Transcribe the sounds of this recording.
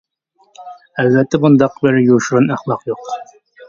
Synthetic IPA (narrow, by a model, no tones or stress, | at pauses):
ælvɛt̪ʰːɛbund̪ɑqbɪɾjuʃɾɨnæχlˠɑqjoq